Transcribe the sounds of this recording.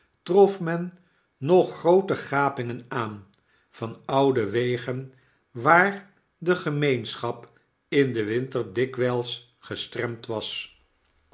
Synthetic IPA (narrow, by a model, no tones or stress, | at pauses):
trɔfmɛnː | ɔχrowtəχaːpɪŋənaːn | vɑnʌwdəʋejχən | ʋaːɹ | dəχəmejnsχɑp | ɪndəʋɪntərdɪkʋɛlˠs | χəstrɛmtʋɑs